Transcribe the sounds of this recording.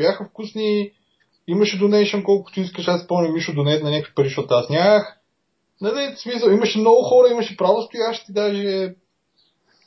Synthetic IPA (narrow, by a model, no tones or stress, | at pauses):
bjaxəfkusni | iməʃɛd̪ʊnɛjʃɛnkɔlˠkʊ̥t̪ʊiskəʃaspɔmnʲimiʃʊd̪ʊnɛt̪nɐnʲakəkvi̥pəɾiʃt̪ɔt̪ʊasnʲax | nɐd̪ɛsmisəlˠiməʃɛmnɔɡʊxɔɾəimɐʃɛpɾavost̪ʊjaʃt̪id̪aʒɛ